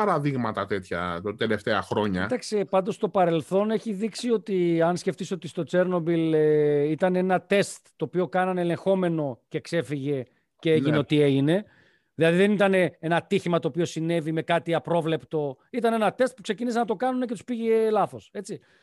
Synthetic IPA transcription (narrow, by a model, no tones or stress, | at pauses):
pɐɾɐðiɣmɐt̪ɐt̪et̪çɐ̰t̪eleft̪eɐxɾo̞ɲɐd̪ɐksepɐnd̪o̞st̪o̞pɐɾe̞lθo̞ne̞çiðiksio̞t̪iɐnsce̞ft̪isot̪ist̪o̞t͡se̞ɾno̞bileit̪ɐneenɐt̪e̞st̪ːo̞ːpio̞kɐnɐneele̞ŋxo̞me̞no̞ce̞kse̞fiʝe̞ | ceeʝineot̪ieʝine̞ | ðilɐðiðe̞nit̪ɐne̞enɐt̪içimɐt̪oːpio̞sine̞vime̞kɐt̪iɐpɾo̞vle̞pt̪o̞ | it̪ɐne̞nɐt̪e̞st̪̚pukse̞cinisenɐt̪okɐnunece̞t̪u̥spiʝelɐθo̞se̞t͡si